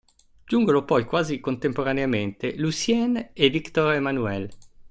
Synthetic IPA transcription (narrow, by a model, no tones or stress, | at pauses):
d͡ʒuŋɡonopɔjkwazikont̪empoɾaneament̪elusjɛnevikt̪ɔɾemanuɛl